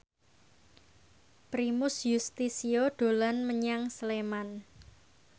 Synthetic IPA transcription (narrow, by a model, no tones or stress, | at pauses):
pɾimʊsjust̪isioɖ̥o̤lanməɲaŋsleman